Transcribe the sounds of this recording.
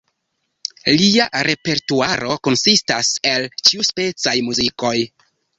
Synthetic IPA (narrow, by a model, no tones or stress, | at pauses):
liaɾe̞pe̞ɾtuaɾo̞ko̞nsistase̞lt͡ʃiuspe̞t͡sajmuziko̞j